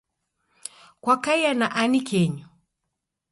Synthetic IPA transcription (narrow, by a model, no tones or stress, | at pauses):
kwakaianaʔanikʰɛɲɔ